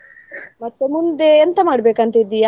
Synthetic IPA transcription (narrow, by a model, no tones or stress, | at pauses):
mɐt̪ːemund̪eːnt̪ɐmaːɽbeːkant̪id̪ːija